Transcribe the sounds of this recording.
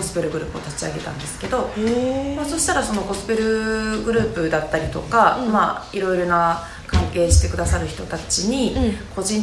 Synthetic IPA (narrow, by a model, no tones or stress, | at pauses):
osɨ̥peɾɯ̟ɡɯɾɯ̟ːpɯo̞̰t̪at͡ɕiaɡe̞t̪ã̰nd̪e̞sɨ̥ke̞d̪o̞maso̞ɕi̥t̪aɾaso̞no̞ɡo̞sɨ̥peɾɯ̟ɡɯ̟ɾɯ̟ːpɯ̟d̪at̪ːaɾʲit̪o̞kamaiɾo̞iɾo̞na | kãŋke̞ːɕi̥t̪e̞kɯ̟d̪asaɾɯ̟çi̥t̪o̞t̪at͡ɕiɲ̟iko̞ʑĩn